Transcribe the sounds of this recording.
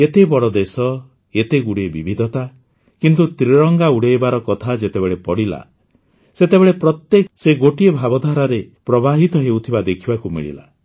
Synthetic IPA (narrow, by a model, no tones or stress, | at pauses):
et̪ebɔɽɔd̪esɔ | et̪eɡuɽebibʱid̪ʱɔt̪a | kint̪ut̪ɾiɾɔŋɡauɽeebaɾɔkɔt̪ʰad͡ʒet̪ebeɭepɔɽila̰ | set̪ebeɭepɾɔt̪jekɔseɡoʈiebʱabɔd̪ʱaɾaɾepɾɔbaɦit̪ɔɦeut̪ʰibad̪ekʰibakumḭɭḭla̰